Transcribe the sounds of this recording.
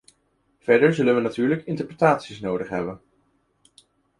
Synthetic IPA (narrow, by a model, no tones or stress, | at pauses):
v̥ɛɹdəɹzɵlənʋənatyːɹləkɪntəɹpretaːtsisnowdəχɦɛ̰bən